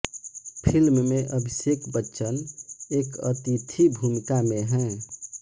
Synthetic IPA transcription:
pʰilmmẽʔəbʱisekbətːʃəneːkə̰t̪it̪ʰibʱumikamẽɦɛ̃

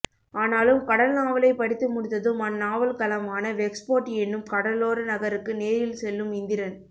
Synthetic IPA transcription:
aːnaːlɯmkɐɽɐlnaːʋɐlɐɪpɐɽɪt̪ːɯmʊɽɪt̪ːɐðɯmɐnːaːʋɐlkɐlɐmaːnɐʋɛkspoːʈːɛnːɯmkɐɽɐlːoːɾɐnɐɣɐɾɯkːɯneːjɪlsɛlːɯmɪnd̪ɪɾɐn

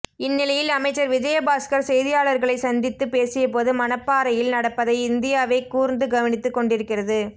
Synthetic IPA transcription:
ɪnːɪlɐjɪlɐmɐɪt͡ʃːɐɾʋɪd͡ʒɐjɐbaːskɐɾsɛjðɪjaːɭɐɾɣɐɭɐɪsɐnd̪ɪt̪ːɯpeːsɪjɐpoːðɯmɐnɐpːaːɾɐjɪlnɐɽɐpːɐðɐɪɪnd̪ɪjaːʋɐɪkuːɾnd̪ɯɡɐʋɐnɪt̪ːɯkːɔɳɖɪɾɯkːɪrɐðɯ

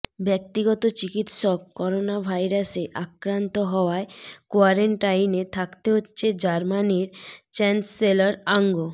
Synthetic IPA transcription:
bɛk̚t̪iɡɔt̪ot͡ɕikit̪ʃokːɔɾonabʱajɾaseʔakɾant̪oɦɔoaekoaɾeɳʈajnet̪ʰakt̪eɦotːɕʰed͡ʑaɾmaniɾt͡ɕɛnsːelaɾaŋɡo

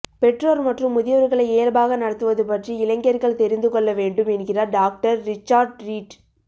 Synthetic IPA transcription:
pɛʈroːlmɐʈrɯmːʊðɪjɐʋɐɾɣɐɭɐɪeːɾbaːɣɐnɐɽɐt̪ːɯʋɐðɯpɐʈriɪlɐŋɡɐɾɣɐɭt̪ɛɾɪnd̪ɯkɔɭːɐʋeːɳɖɯmɪnɣɪrɐɖaːk̚ʈɐɾːɪt͡ʃːaːɖɾiːʈ

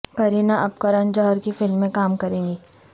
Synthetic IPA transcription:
kɐɾiːnaʔɐpkɐɾɐnd͡ʒɔɦɾkifɪlmːẽkaːmkɐɾẽːɡiː

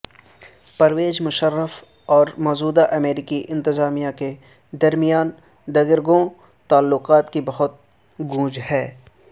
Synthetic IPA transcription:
pɐɾʋeːd͡ʒmʊʃəɾːəf | ɔːɾmɔːzuːd̪aʔɐmeːɾɪkiʔɪ̃nt̪ɪzaːmijake | d̪ɐɾmijaːn | d̪ɐɡɪɾɡõ | t̪aːlːʊqaːt̪kibɐɦʊt̪̚ | ɡũːd͡ʒhɛː

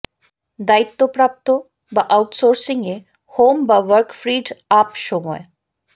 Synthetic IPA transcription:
d̪ait̪ːopɾap̚t̪o | baʔawʈsoɾsiŋe | hombaʋəɾkfɾiɖapʃɔmɔe

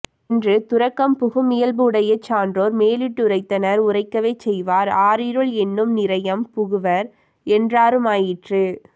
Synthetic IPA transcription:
ndrɯt̪ʊɾɐkːɐmpʊɣɯmɪjɐlbɯːɽɐjɐt͡ʃːaːndroːɾmeːlɪʈːʊɾɐɪt̪ːɐnɐɾʊrɐɪkːɐʋeːt͡ʃɛjʋaːɾaːɾɪɾɯɭɛnːɯmnɪɾɐjɐmpʊɣɯʋɐɾ | ɛndraːɾɯmaːjɪʈrɯ

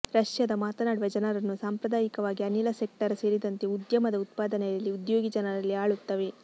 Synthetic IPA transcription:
ɾɐʃjɐd̪ɐmaːt̪ɐnaːɖʋɐd͡ʒɐnɐɾɐnːusaːmpɾɐd̪aːjikɐʋaːɡiɐnilɐsek̚ʈɐɾse̞ːɾid̪ɐnt̪e̞ud̪jɐmɐd̪ɐut̪̚paːd̪ɐnɛjɐlːiud̪jo̞ːɡid͡ʒɐnɐɾɐlːiaːɭut̪ːɐʋe

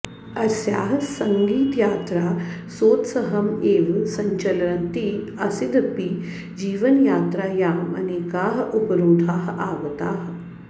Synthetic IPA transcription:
ɐɾsja̰ːɦsɐŋɡiːt̪jaːt̪ɾaːsoːt̪sɐɦɐmeːʋsɐɲt͡ʃɐlɐɾɐnt̪iːɐsid̪ɐpi | d͡ʒiːʋɐnjaːt̪ɾaːjaːmɐ̰neːkaːɦupɐɾoːd̪ʱaːɦaːʋɐt̪aːɦ

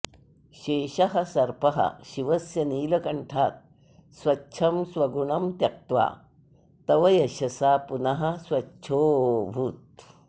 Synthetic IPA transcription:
ɕeːɕɐɦɐsɐɾpɐɦɐ̰ɕiʋɐsjɐniːlɐkɐɳʈʰaːt̪̚ | swɐtːɕʰɐmswɐɡuɳɐmt̪ɐk̚t̪ʋa̰ | t̪ɐʋɐjɐɕɐsapunɐɦɐswɐtːt͡ʃʰoːbʱuːt̪̚

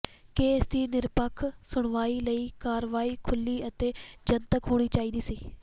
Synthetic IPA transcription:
keːsd̪iːnɪɾpəkʰsʊɽʋaːiːləiːkaːɾʋaːiːkʰʊlːiːət̪eːd͡ʒənt̪əkɦoːɽ̃iːt͡ʃaːiːd̪iːsiː

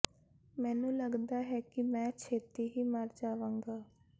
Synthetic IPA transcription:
mɛ̃ːnũːləɡd̪aːɦɛːkɪmɛ̃ːt͡ʃʰeːt̪iːɦiːməɾd͡ʒaːʋãːŋɡaː

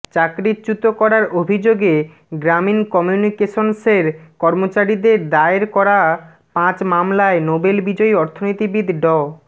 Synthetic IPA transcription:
t͡ɕakɾit͡ɕut̪okɔɾaɾobʱid͡ʑoɡe | ɡɾaminkɔmjunikeʃonseɾkɔɾmot͡ɕaɾid̪eɾd̪aeɾkɔɾa | pãt͡ɕmamlaenobelbid͡ʑɔiɔɾt̪ʰonojt̪ibid̪ʱɖɔ

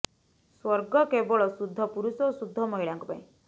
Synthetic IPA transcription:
swɔɾɡɔkebɔɭɔsud̪ʱːɔpuɾusɔosud̪ʱːɔmɔɦiɭaŋkɔpaĩ

